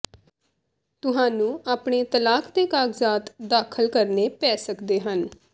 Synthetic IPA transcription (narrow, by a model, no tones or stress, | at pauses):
t̪ʊɦãːnũːaːpɳeːt̪əlaːkd̪eːkaːɡzaːt̪d̪aːkʰəlkəɾneːpɛːsəkd̪eːɦən